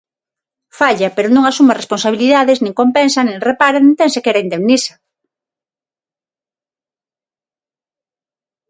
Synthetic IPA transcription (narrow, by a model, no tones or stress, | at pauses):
faʎapeɾonõŋasumaresponsaβ̞iliðaðeznĩŋkompensanẽŋrepaɾañnt̪ensekeɾaind̪emnisɐ̥